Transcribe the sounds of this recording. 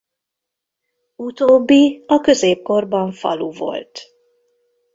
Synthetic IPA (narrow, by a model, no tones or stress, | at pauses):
ut̪oːbːiɒkø̞zeːp̚ko̞rbɒɱfɒ̰luvo̞̰lt̪